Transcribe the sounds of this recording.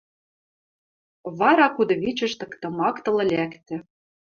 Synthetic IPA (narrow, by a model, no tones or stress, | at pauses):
βɑɾɑkud̪ɤ̆βit͡ɕɘ̆ʃt̪ɤ̆kt̪ɤ̆mɑkt̪ɤ̆lɤ̆lʲækt̪ɘ̆